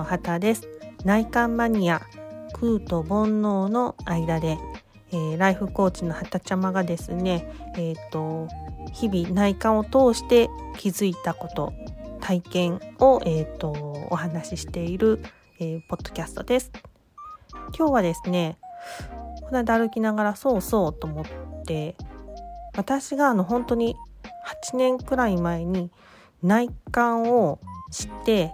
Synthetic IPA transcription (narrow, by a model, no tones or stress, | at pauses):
ohat̪ad̪e̞sɨ̥naikãmːaɲ̟iakʰɯ̟ːt̪o̞bõ̞nːo̞ːno̞aid̪ad̪e̞ː | ɾaiɸɯ̟ko̞ːt͡ɕino̞hat̪at͡ɕamaɡad̪e̞sɨne̞ːt̪ːo̞çibʲinaikãɰ̃o̞t̪o̞ːɕi̥t̪e̞kʲʰizɨit̪ako̞t̪o̞̰t̪ʰaikẽ̞ŋ̃o̞ʔe̞ːt̪ːo̞̰ːɦanaɕiɕi̥t̪e̞iɾɯ̟ | eːpo̞d̪̥ːo̞̥kʲasɨ̥t̪o̞d̪e̞sɨ̥ | kʲo̞ːβad̪e̞sɨne̞ | konad̪aɾɯ̟kʲinaɡaɾaso̞ːso̞ːt̪o̞mo̞t̪ːe̞ | βat̪aɕiɡaːno̞ɦõ̞nt̪o̞ɲ̟ihat͡ɕinẽ̞ŋkɯ̟ɾaimae̞ɲ̟i | naikãɰ̃o̞ɕi̥t̪e̞